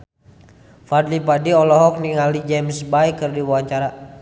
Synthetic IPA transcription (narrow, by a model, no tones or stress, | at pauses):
fadlip̬adiɔlɔɦɔk̚niŋalid͡ʒɛmsbajkərdiwuaɲt͡ʃaɾa